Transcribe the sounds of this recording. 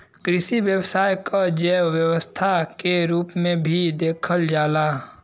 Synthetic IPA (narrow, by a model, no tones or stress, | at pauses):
kɾɪʃiwjəwsaːjkad͡ʒɛːʋjəwəst̪ʰakeɾuːpmẽbʱid̪eːkʰəld͡ʒaːlaː